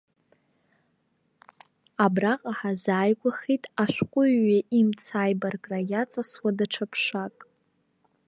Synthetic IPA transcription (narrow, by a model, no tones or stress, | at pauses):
abraqʼaħazaːjɡʷʼaχitʼaʃʷᶣqʷʼʊːaʔimt͡sʰaːjbarkʼrajat͡sʼaswadaʈ͡ʂʰapʰʂakʼ